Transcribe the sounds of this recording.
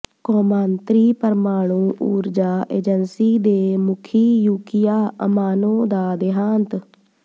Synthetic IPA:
koːmãːnt̪ɾiːpəɾmaːɽ̃ũːʔuːɾd͡ʒaːʔeːd͡ʒənsiːd̪eːmʊkʰiːjuːkɪjaːəmaːnõːd̪aːd̪ɪɦaːnt̪

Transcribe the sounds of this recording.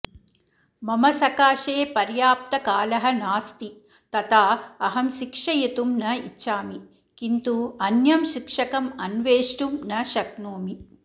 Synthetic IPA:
mɐmɐsɐkaːʃeːpɐɾjaːp̚t̪ɐkaːlɐɦɐnaːst̪i | t̪ɐt̪aːɐɦɐmʃikʂɐjɐt̪umnɐḭtːʃaːmi | kint̪uɐnjɐmʃikʂɐkɐmɐnʋeːʂʈumnɐʃɐk̚noːmi

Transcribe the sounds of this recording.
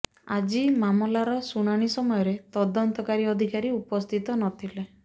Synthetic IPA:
ad͡ʒimamɔlaɾɔsuɽ̃aɽ̃isɔmɔjɔɾet̪ɔd̪ɔnt̪ɔkaɾiɔd̪ʱikaɾiupɔst̪ʰit̪ɔnɔt̪ʰile

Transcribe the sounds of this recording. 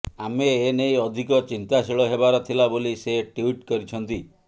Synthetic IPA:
ameːnejɔd̪ʱikɔt͡ʃint̪asiɭɔɦebaɾɔt̪ʰilaboliseʈuiʈkɔɾit͡ʃʰɔnt̪i

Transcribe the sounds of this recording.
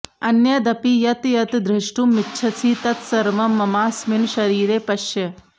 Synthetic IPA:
ɐnjɐd̪ɐpijɐt̪jɐt̪d̪ɾɪʂʈumitːʃʰɐsʰiːt̪ɐt̪sɐɾmɐmːɐmaːsminʃɐɾiːɾeːpɐʃjɐ

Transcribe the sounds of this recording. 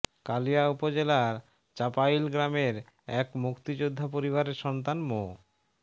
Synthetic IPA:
kalijaupod͡ʑelaɾ | t͡ɕapajlɡɾameɾ | ɛkmukt̪id͡ʑod̪ʱːapoɾiβaɾeɾʃɔnt̪anmo

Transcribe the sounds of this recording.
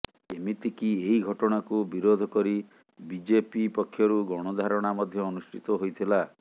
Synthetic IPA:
emit̪ikieɦiɡʱɔʈɔɽ̃akubiɾod̪ʱɔkɔɾi | bid͡ʒepipɔkʰːjɔɾuɡɔɽ̃ɔd̪ʱaɾɔɽ̃amɔd̪ʱjɔːnusʈʰit̪ɔɦojt̪ʰila

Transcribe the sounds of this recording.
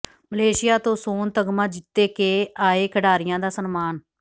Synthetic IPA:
məleːʃɪjaːt̪õːsoːnt̪əɡmãːd͡ʒɪt̪ːeːkeːaːeːkʰəɖaːɾɪjãːd̪aːsənmaːn

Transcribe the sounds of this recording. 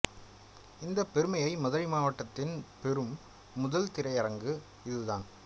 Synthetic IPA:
ɪnd̪ɐpːɛɾɯmɐjɐɪmɐðɐɾɪmaːʋɐʈːɐt̪ːɪnpɛɾɯmː | ʊðɐlt̪ɪɾɐjɐɾɐŋɡɯ | ɪðɯðaːn

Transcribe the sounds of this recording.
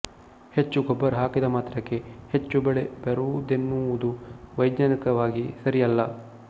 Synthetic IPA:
het͡ʃːuɡɔbːɐɾɦaːkid̪ɐmaːt̪ɾɐkːe̞het͡ʃːubɛɭe̞beɾud̪enːuʋud̪uʋɐjɡɲanikɐʋaːɡisɐɾijɐlːɐ

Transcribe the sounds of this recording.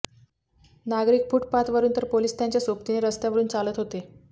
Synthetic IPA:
naɡɾiːk̚fuːʈpat̪ʋəɾuːnt̪əɾpoliːst̪jaɲt͡ɕjasopt̪ineɾəst̪jaʋəɾuːnt͡salət̪ɦot̪e

